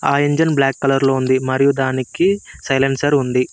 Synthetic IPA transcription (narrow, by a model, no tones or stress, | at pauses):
aːeɲd͡ʒɐnblaːkːɐlɐɾloːund̪imɐɾijud̪aːnikisɐjlɐnsɐɾund̪i